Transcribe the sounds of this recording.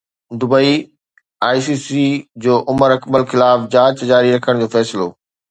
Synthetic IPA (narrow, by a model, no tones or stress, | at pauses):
d̪ʊbəi | aːisiːsid͡ʑoːʔʊməɾɐkbəlxɪlaːfd͡ʑaːt͡ɕd͡ʑaːɾiɾɐkʰəɽ̃d͡ʑoːfɛːsɪloː